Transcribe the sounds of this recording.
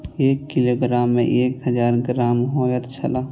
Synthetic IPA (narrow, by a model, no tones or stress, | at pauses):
eːkːiloːɡɾaːmːḛ̃ʔeːkɦəd͡ʒaːɾɡɾaːmɦojət̪t͡ʃʰəlaː